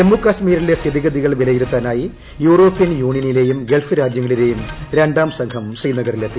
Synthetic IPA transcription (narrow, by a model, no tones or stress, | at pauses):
emːukːɐɕmiːɾile̞st̪ʰiðiɣɐðiɣɐɭʋilɐjiɾut̪ːaːnaːji | juːro̞ːpːijɐnjuːɳjɐnile̞ːjumɡe̞ɭfɨɾaːd͡ʑjɐŋːɐɭile̞ːjumɾeɳɖaːmsɐŋkʰɐmsriːnɐɣɐrilet̪ːi